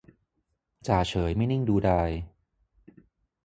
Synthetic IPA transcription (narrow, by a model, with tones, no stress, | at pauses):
t͡ɕaː˨˩t͡ɕʰɤː˩˦jma˥˩jni˥˩ŋduː˧daː˧j